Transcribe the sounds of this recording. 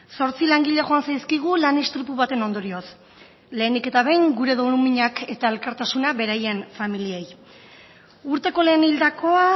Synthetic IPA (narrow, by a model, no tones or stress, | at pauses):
so̞ɾt͡silaŋɡiʎeɣo̞ansajskiɣ̞ulanest̪ɾupuβat̪e̞no̞nd̪o̞ɾio̞s | le̞ːnike̞t̪aβejŋɡuɾe̞ð̞o̞numiɲake̞t̪ae̞lkaɾt̪asunaβe̞ɾaje̞nfamiliej | uɾt̪e̞ko̞le̞ːnild̪ako̞a